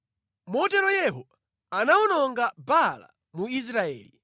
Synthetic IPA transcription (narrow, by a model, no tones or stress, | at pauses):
mɔtɛɾɔjɛɦɔ | anaunɔŋɡabala̰ | muis̬ɾaɛ̰ːli